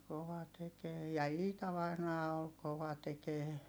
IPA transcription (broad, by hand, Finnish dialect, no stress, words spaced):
koʋɑ tekeː jɑ iːtɑ ʋɑinɑː ol koʋɑ tekeː